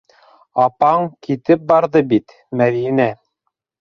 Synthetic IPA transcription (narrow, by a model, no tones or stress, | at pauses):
ɑpɑŋkit̪ɘp̚bɑɾðɤbit̪ | mæðinæ